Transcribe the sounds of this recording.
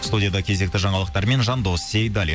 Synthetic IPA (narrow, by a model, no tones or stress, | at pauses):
st̪udʲijad̪ɑkʲʰe̞ze̞k̚t̪ɪʒɑɴɑlˠəq̚t̪ɑɾme̞nʒɑnd̪o̞sːejd̪ɑlʲi